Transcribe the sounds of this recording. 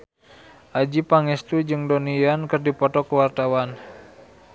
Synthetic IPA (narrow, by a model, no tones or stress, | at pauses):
ʔad͡ʒipaŋɛst̪ud͡ʒɨŋdonijankərdipɔt̪ɔkəwart̪awan